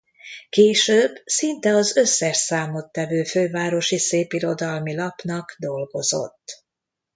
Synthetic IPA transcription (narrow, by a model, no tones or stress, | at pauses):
keːʃøːbsint̪ɛɒzø̞sːɛʃsaːmot̪ːɛvøːføːvaːɾo̞ʃiseːpiɾo̞d̪ɒlmilɒpnɒɡd̪o̞lɡo̞zo̞̰t̪ː